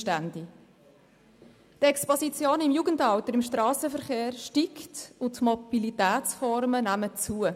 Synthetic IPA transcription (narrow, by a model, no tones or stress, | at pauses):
tænd̥i | tɛkspɔsit͡sjoːnɪmjuɡəntɑwtəɾɪmʃtɾɑːsəfəɾχeːɾʃtiktʊtmɔb̥ilitæːt͡sfɔɾmənæmət͡suə